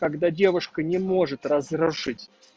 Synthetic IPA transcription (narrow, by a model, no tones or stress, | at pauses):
kɐɡd̪adʲe̞vʊʂkənʲɪmo̞ʐɨt̪rɐzrʊʂɨtʲ